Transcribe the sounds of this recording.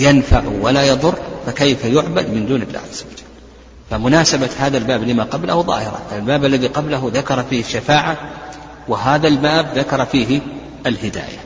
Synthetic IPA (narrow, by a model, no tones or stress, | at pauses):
janfaʕwalajɑðˤʊrˤːfakejfajʊʕbad̪mɪnd̪uːnɪlːa̰ːhʕaz̥ːawad͡ʒalː | famʊnaːsabahaːðalbaːblɪmaqɑblahuðˤɑ̰ːhɪɾˤɑ̰albaːbalːaðiqɑblaɦʊðakɑɾˤɑfiːhɪʃːafaːʕa | wɪɦaːðalbaːbðakɑɾˤɑfiːɦɪ | alhɪd̪a̰ːja̰